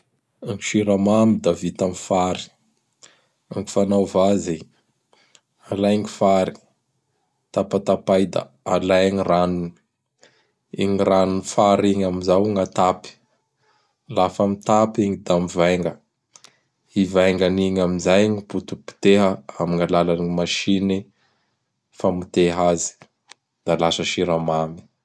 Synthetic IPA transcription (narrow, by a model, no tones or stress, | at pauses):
aŋki̥ʃiɾamamid̪avit̪amifaɾi̥ | aŋɡu̥fanawvazi | alajŋifaɾi̥ | t̪apat̪apajd̪a̰ | alajŋiranun | ḭŋiranunifaɾiŋamizawŋat̪api̥ | lafamit̪apiŋid̪amivajŋɡə | ivajŋɡaniŋamizajŋiput̪upi̥t̪eɦəamiŋalalanimaʃini | famit̪eɦazi̥ | d̪̥alasəʃiɾamami̥